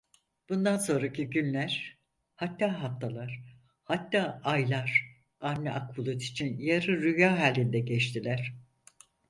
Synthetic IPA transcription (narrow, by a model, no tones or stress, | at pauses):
b̥und̪anso̞nɾacʰiɟynlʲæɾ̥ | hat̪ːaːɦaft̪ʰalˠaɾ̥ | hat̪ːaːajlˠaɾ̥ | anːɛʔakbulˠut̪i̥t͡ʃʰinjaɾɯɾyjaːɦaːlʲːind̪ɛɟɛt͡ʃt̪ʰilʲæɾ̥